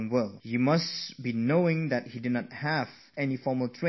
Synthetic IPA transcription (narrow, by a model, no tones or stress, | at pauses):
nwɛljimasbinoɪ̃ŋd̪ɛt̚hidɪdnɔt̚hɛv | ɛnifɔməltʰɹẽ